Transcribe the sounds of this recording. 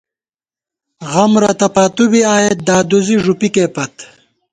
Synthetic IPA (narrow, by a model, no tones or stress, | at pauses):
ɣɐmɾɐt̪ɐpat̪ubiaːjet̪̚d̪aːd̪uziʐupikeːpɐt̪